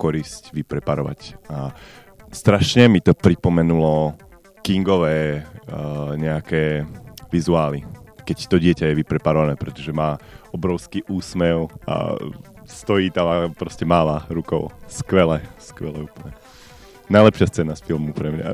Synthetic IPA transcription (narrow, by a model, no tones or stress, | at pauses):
kɔɾiscʋipɾɛpaɾɔʋa̰ca | st̪ɾaʃɲɛmit̪ɔpɾipɔmɛnulɔ | kiŋɡɔʋɛː | ɲɛakɛːʋizuaːlikɛct̪ɔɟɪɛcajɛʋipɾɛpaɾɔʋanɛːpɾɛt̪ɔʒɛmaːɔbɾɔʊskiːʔuːsmɛʊa̰ | st̪ɔjiːt̪aapɾɔscɛmaːlaɾukɔ̰ʊskʋɛlɛskʋɛlɛuːpl̩ɲɛ | najlɛpʃɪast͡sɛːnasfilˠmupɾɛmɲa̰